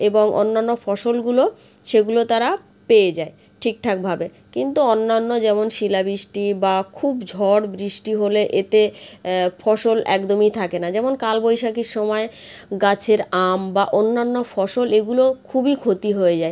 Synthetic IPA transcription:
eboŋʔo̰nːanːofʰɔʃolɡuloʃeɡulot̪aɾa | peed͡ʑae | ʈʰik̚ʈʰak̚bʱabe | kint̪uonːanːod͡ʑɛmonʃilabɾiʃʈibakʰubd͡ʑʱɔɽbɾiʃʈiɦoleʔet̪e | fʰɔʃolɛ̰kd̪omit̪ʰakenad͡ʑɛmonkalbojʃakiɾʃɔmɔeɡat͡ɕʰeɾambaʔonːanːofʰɔʃoleɡulokʰubikʰot̪iɦoed͡ʑae

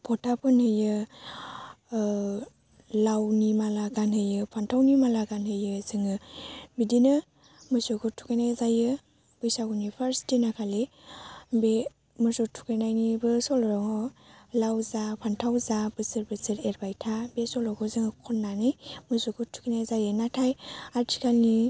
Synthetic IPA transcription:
pʰɔtʰapʰɯnhɯjɯ | lawnimalaɡanhɯjɯpʰantʰawnimalaɡanhɯjɯzɯŋɯbidinɯ | mɯsukʰutʰu̥kʰajnajzajɯ | b̥ɯjsaɡunipʰaɾstinakʰale | be | mɯsɔtʰu̥kajnajnibɯsɔlɔɾɔŋɔlawzapʰantʰawzabɯsɯɾbɯsɯɾeɾbajtʰabesɔlɔkʰɔzɯŋɯkʰɔnːanijmɯsukʰutʰu̥kanajzajɯnatʰajaɾtʰi̥kalni

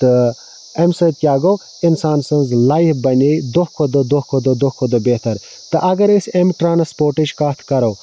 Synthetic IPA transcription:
t̪ɨ | emsɐt̪̚kʲjaːɡoː | insaːnsɐnzlaːifbɐnʲed̪okʰod̪od̪ohkʰod̪od̪okʰod̪obet̪ɐɾ | t̪ɨʔɐɡɐɾisemʈɾaːnɐspoːɾʈid͡ʒkaːt̪ʰkɐɾoː

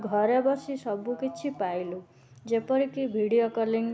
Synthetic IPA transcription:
ɡʱʌɾebʌsisʌbukit͡ʃʰipajlu | d͡zepɔɾikibʱiɽijokɔliŋ

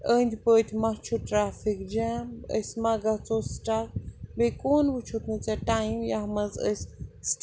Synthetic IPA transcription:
əːnd̪ʲpəːt̪ʲʰmɐt͡ʃʰuʈɾaːfʰikd͡ʒamə̰smɐɡɐt͡sosʈak̚bekoːnbɨt͡ʃʰut̪nɨt͡sɛʈajimjaɦmɐzə̰sʲsʈ

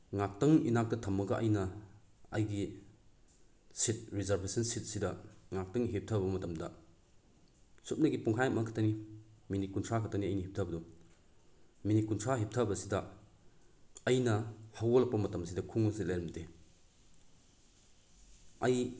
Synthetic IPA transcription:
ŋak̚tɐŋinak̚tɐtʰɐmːɐɡɐʔɐ̰jnɐɐjɡi | sit̚ɾizɐɾbʱesɐnsit̚sidɐŋak̚tɐŋɦip̚tʰɐbɐmɐtɐmdɐ | sup̚nɐɡipuŋkʰajɐmʔakʰḁtʰɐniminikuntʰakʰɐtʰɐniɐjnihip̚tʰɐbɐdɔ | minikuntʰaɦip̚tʰɐbɐsidɐ | ɐjnɐhawɔlɐk̚pɐmɐtɐmsidɐkʰuŋɐsitlajɾɐmte | ɐj

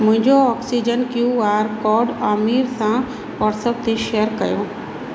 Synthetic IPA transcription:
mʊ̃ɦɪ̃ɲd͡ʑoɔːksid͡ʑənkjuːaːɾkɔːɾɖaːmiːɾsã | ʋɔːʈsəp̚t̪ʰeʃejəɾkɐjo

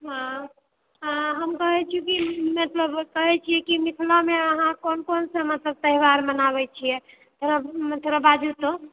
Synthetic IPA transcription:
ɦã | ãɦəmkəɦɛt͡ʃʰiũkimət̪ləbkəɦɛt͡ʃʰijɛkimikʰlameəɦãkonkonsə̃mət̪ləb̚t̪əɦiwaɾmənaβɛt͡ʃʰijɛ | t̪ʰoɾət̪ʰoɾəbad͡ʒut̪o

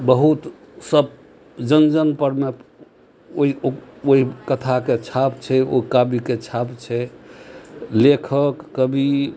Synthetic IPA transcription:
bəɦut̪ | səb | d͡ʒənd͡ʒənpəɾme | oioɦikət̪ʰaket͡ʃʰapt͡ʃʰɛo̰kabiket͡ʃʰapt͡ʃʰɛ | lekʰəkːəbi

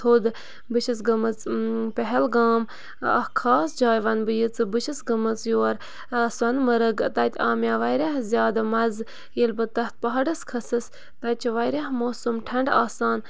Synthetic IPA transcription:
oːd̪ | bɨʃis̬ɡɐmɨt͡spɛɦɛlɡaːm | ɐ̰hkʰaːsd͡ʒaːjʋɐnbɨjit͡sɨbɨʃisɡɐmɨt͡sjoːɾ | swɐnmɐɾɨɡt̪ɐt̪ʲʰaːmʲjaːʋɐjɾʲɐɦzʲjaːd̪amɐz | jilʲbɨt̪ɐht̪̚pɐɦɐɖɨskʰɐsɨs | t̪ɐt͡ʃʰʋɐjɾaɦmoːsumʈʰɐɳɖaːsaːn

